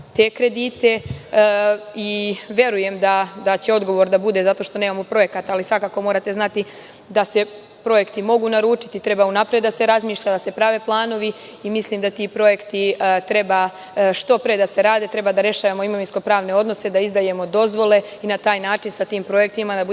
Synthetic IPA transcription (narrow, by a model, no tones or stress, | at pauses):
t̪e̞kɾe̞d̪it̪e̞ | iʋje̞ɾuje̞md̪ad̪at͡ɕe̞o̞d̪ɡo̞ʋo̞ɾd̪abud̪e̞zat̪o̞ʃt̪o̞neːmamo̞pɾo̞je̞kat̪alisʋakaːko̞mo̞ːɾat̪e̞znat̪i | d̪ase̞ | pɾo̞je̞kt̪imo̞ɡuːnaɾuːt͡ʃi̥t̪it̪ɾe̞baunapɾed̪d̪ase̞ɾazmiːʃʎad̪ase̞pɾaʋe̞plˠaːno̞ʋiimisliːmd̪at̪iːpɾo̞je̞kt̪it̪ɾe̞ba | ʃt̪o̞pɾed̪ase̞ɾaːd̪e̞t̪ɾe̞bad̪aɾe̞ʃaːʋamo̞imo̞ʋinsko̞pɾaːʋne̞o̞d̪nose̞d̪aizd̪aje̞mo̞d̪o̞zʋo̞le̞ | inat̪aːjnaːt͡ʃinsat̪iːmpɾo̞je̞k̚t̪imad̪abu